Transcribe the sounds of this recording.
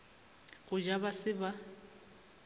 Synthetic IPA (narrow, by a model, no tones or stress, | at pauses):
ɣʊd͡ʒabasɪba